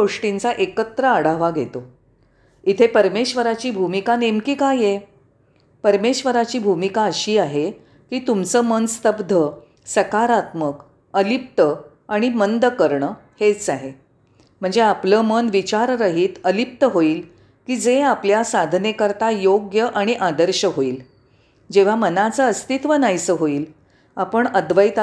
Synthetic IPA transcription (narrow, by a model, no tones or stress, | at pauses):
oʂʈint͡saʔekət̪ɾəəɽ̤aʋaɡʱḛt̪o | it̪ʰepəɾmeɕʋəɾat͡ɕiːbʱumikanemkiːkaje | pəɾmeɕʋəɾat͡ɕiːbʱumikaəɕiːaɦe | kiːt̪umt͡səmənst̪əbd̪ʱə | səkaɾat̪mək | əlip̚t̪ə | aɽ̃imənd̪əkəɾɳə | het͡saɦe | m̤əɳd͡zeapləːmənʋit͡ɕaɾɾəɦiːt̪əlip̚t̪əɦoiːl | kiːd͡zeapljasad̪ʱnekəɾt̪ajoɡjəʔaɽ̃iʔad̪əɾɕəɦoiːl | d͡ʑeʋ̤amənat͡səəst̪it̪ʋənajsəɦoiːl | apəɳəd̪ʋəjt̪